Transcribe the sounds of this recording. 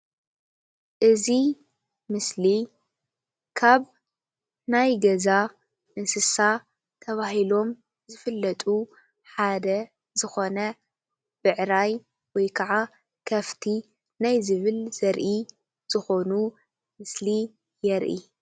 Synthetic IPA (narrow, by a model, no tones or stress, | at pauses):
ʔɨzi | mɨsli | kʰaβ | najɡɐza | ʔɨnsɨsa | t̪ʰɐβaɦilo̞m | zɨfɨlːɐt̪ʼu | ħad̪ɐ | zɨxo̞nɐ | b̥ɨʕɾaj | wɔjkʰɐʕa | kʰɐft̪ʰi | najzɨβɨlz̥ɐɾʔi | z̥ɨxo̞nu | mɨsli | jɛɾʔḭ